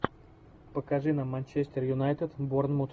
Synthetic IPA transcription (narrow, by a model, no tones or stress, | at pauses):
pɐkaʒinɐmant͡ʃɛst̪ɛɾjunajt̪ɛt̪boɾnmot̪